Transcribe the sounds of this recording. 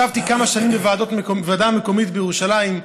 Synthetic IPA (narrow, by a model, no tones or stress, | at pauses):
avt̪ikamaʃanimbevaːdo̞t̪mekovaːdameko̞mit̪bejeʁuʃalajim